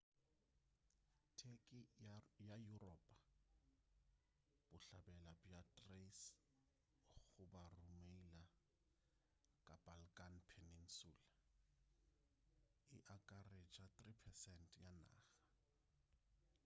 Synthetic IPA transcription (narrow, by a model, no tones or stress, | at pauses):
tʰekʼɪjajurɔːpʼḁ | b̥ʊɬabɛlabjatʼres | ɣʊbarumeila | kʼabalkʼanpʰenin̩suːla | ɪʔakʼaret͡ʃʼat̪ripʰɛsɛntʰʼjana̰ːɣḁ